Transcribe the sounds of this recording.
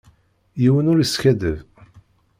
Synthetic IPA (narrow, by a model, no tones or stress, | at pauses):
jiwənʊɾiskæðəv